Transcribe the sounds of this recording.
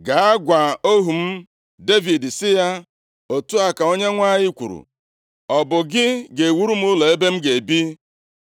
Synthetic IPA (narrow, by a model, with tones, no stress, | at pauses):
ɡa˨a˦ɡʷa˨o˦ɦu˨m̩˦ | de˦vi˨dsɪ˦ja˦ | o˨tu˦a˨ka˨o˦ɲe˦ŋʷa˦ɲɪ˦kʷṵ˨ɾṵ˨ | ɔ˨bʊ˨ɡɪ˦ɡe˨wu˦ɾu˦m̩˦ʊ˦lo˨e˦be˦m̩˦ɡe˨bi˦